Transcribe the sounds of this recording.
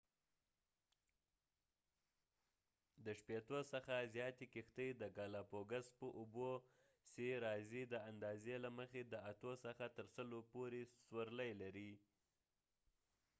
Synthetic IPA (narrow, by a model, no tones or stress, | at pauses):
d̪əʃpet̪osəxazjɑt̪ekixt̪əjd̪əɡɑlɑpoɡaspəʔubo | seɾɑzid̪əand̪ɑzelaməxed̪əat̪osəxat̪əɾsəlopoɾeswəɾləjlaɾi